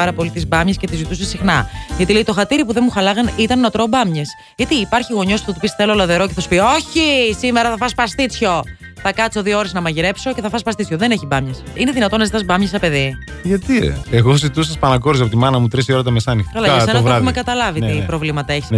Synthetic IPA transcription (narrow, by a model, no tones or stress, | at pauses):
ɐɾɐpo̞lit̪izbɐmɲescet̪izit̪usesixnɐʝɐt̪ileit̪o̞xɐt̪iɾipuðenmuxɐlɐɣɐnit̪ɐnːot̪ɾobɐmɲes | ʝɐt̪iːpɐɾçiɣo̞ɲo̞spu̥θɐt̪upisθelo̞lɐðe̞ɾo̞ceθɐsu̥pio̞çisimeɾɐθɐfɐspɐst̪it͡sço̞ | θɐkɐt͡soðiooɾeznɐmɐʝiɾe̞pso̞ceθɐfɐspɐsit͡sçoðeneçibɐmɲesine̞ðinɐt̪o̞nɐzit̪ɐsbɐmɲɐsɐpe̞ði | ʝɐt̪ḭeɣozit̪usɐspɐnɐkoɾis̬ɐpot̪imɐnɐmut̪ɾisioɾɐt̪ɐmesɐːnixt̪ikɐlɐɐsenɐɾɐumekɐt̪ɐlɐviipɾo̞vlimɐt̪ɐeçis